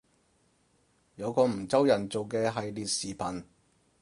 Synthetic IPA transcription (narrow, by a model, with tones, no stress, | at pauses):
jɐ˨˧wkɔː˧m̩˨˩t͡sɐ˥wjɐ˨˩nt͡so˨wkɛː˧ɦɐ˨jliː˨t̚siː˨˩pʰɐ˨˩n